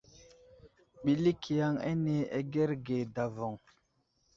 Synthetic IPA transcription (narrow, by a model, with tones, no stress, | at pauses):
ɓi˦li˦kʰi˨ja˦ŋḛ˦ne˦e˦ɡe˦ɾɡe˨da˨vɔ˨ŋ